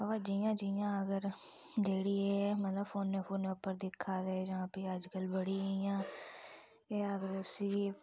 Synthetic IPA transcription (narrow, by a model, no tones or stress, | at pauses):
ʋad͡ʒiːjãːd͡ʒijãːəɡəɾ | d͡ʒeːɽiːɛːmət̪ləbfoːnːeːpʰoːnːeːʊpːəɾd̪ɪkʰːaːd̪eːd͡ʒãːpiːəd͡ʒkəlbəɽiːijãː | eːəɡəɾʊsiː